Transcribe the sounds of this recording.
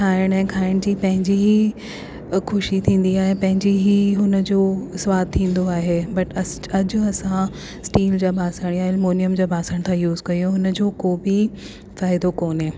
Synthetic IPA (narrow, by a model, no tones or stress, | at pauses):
kʰaːɪɽ̃ɛ̃ːkʰaːɪɽ̃d͡ʑiːpɐ̃ɦɪ̃ɲd͡ʑiɦi | xʊʃit̪ʰĩːn̆d̪iaːɦepɐ̃ɦɪ̃ɲd͡ʑiɦiɦʊnə̆d͡ʑoːsʋaːd̪̚t̪ʰːĩːnd̪oaːɦeːbɐʈɐ | ɐd͡ʑʊ̆ɐsã | sʈiːld͡ʑaːbʱaːsəɽ̃ijaːɪlmoːnijəmd͡ʑaːbʱaːsəɽ̃t̪ʰãjuːzkɐijoɦʊnəd͡ʑoːkoːbi | faːɪd̪okoːnɦẽː